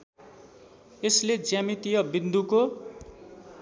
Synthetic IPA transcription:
esled͡zjamit̪ijʌbind̪ʱuko

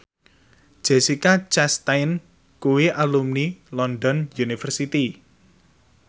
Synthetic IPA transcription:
ʒ̥esikat͡ʃɛst̪ajn | kuwiʔalumnilɔnɖ̪ɔnjunifərsit̪i

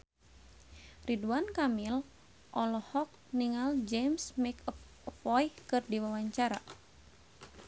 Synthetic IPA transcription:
riduankamil | ʔɔlɔhɔk̚niŋald͡ʒemsmekɔf | fɔjkɨrdiwawaɲt͡ʃaɾa

